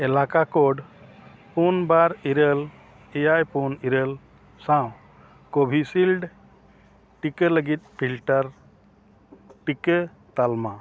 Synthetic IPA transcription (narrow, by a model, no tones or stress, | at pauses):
ɛlakakoɖpunbaɾiɾel | ɛjajpuniɾəl | sãw̃ | kobʱisilɖ | ʈikələɡit̪̚ˀpʰilʈəɾ | ʈike | t̪alma